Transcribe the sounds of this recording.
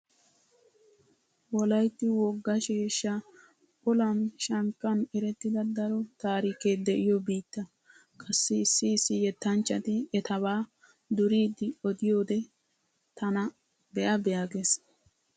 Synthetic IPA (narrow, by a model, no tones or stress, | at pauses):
wɔlɐjt̪ːɪwɔɡːɐʃeːʃːɐ | ɔlɐnʃɐŋkːɐnɛɾɛt̪ːɪd̪ɐd̪ɐɾɔt̪aːɾiːkeːd̪ɛʔɪjɔbiːt̪ːɐ | kʰʼɐsːɪːsːɪːsːɪjɛt̪ːɐnt͡ʃːɐt̪ɪɛt̪ɐβaː | d̪ʊɾiːd̪ɪɔd̪ɪjoːd̪ɛ | t̪ɐnɐ | bɛjɐbɛjaːɡes